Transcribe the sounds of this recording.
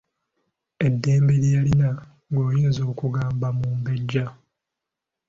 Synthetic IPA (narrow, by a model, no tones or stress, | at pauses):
e̞dːeːmbeɾijalina | ɡoːjiːnzo̞ːkuɡaːmbamuːmbe̞ɟːa